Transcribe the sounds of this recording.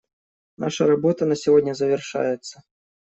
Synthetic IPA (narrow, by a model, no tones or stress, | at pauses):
naʂɐɾabɔt̪ɐnɐsʲivɔdʲnʲɐzɐvʲɛrʂa̰jɛt̪sːɐ